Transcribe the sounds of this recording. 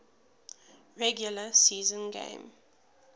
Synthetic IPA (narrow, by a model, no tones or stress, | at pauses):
ɹɛɡjuləsiːzə̃nɡḛ̃ɪ̃m